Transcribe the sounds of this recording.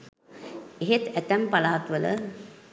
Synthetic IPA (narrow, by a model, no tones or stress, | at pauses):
eɦet̪æt̪æmpalaːat̪ʋələ̰